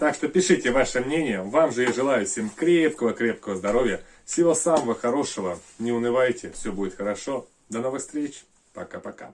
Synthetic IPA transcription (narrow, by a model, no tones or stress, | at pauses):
t̪akʂt̪opʲɪʂɨtʲɪvaʂɨmnʲenʲɪjəvamʐɨjaʐɨlˠajʊsʲemʲkɾʲe̞p̚kəvəkɾʲe̞pkəvəzd̪ɐɾo̞vʲjə | fsʲɪvo̞saməvəxɐɾo̞ʂəvə | nʲɪʊnɨvajtʲɪfsʲɵbudʲɪt̪xəɾɐʂo̞ | d̪ɐno̞vɨxst̪ʲɾʲet͡ɕ | pɐ̰kapɐka̰